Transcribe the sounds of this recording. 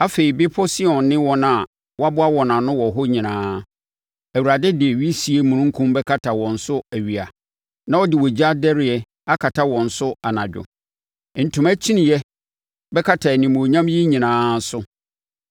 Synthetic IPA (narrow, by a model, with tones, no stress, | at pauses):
a˦fe˨i˨bɪ˦pʰɔ˦si˦ɔ̃˨nːɪ̃˦wɔ̃˦nã˨ | wɔ˦a˦bʊ˦a˦wɔ˨nã˨nʊ̃˦wɔ˨ɦɔ˦ɲĩ˨nãː˦ | æ˨wu˨ɾa˨dɛ˦dɪ˨ɛ˨ɥi˦si˨e˦mũ˨nũ˦ŋ̩˦kʰũ˦mbɛ˦kʰa˦tʰa˨wɔ̃˨n̩˨sʊ˦æ˨ɥi˨a˨ | nã˦ɔ˦dɪ˨wɔ˨d͡ʑi˦a˦dɛ˦ɾɪ˨ɛ˨ | a˦kʰa˨tʰa˦wɔ̃˨n̩˨sʊ˦a˨nã˨d͡ʑᶣʊ̰˨ | n̩˨tʰʊ̃˨mæ˦t͡ɕʰi˦nĩ˨jɛ˦ | bɛ˦kʰa˦tʰa˨nĩ˨mõ˨ɲã˦mjɛ˦ɲĩ˨nãː˦n̩˦sʊ˦